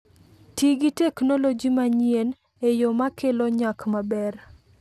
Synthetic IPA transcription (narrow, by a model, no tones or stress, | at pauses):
tiɡiteknolod͡ʒimaɲien | ejomakʰeloɲakmabɛr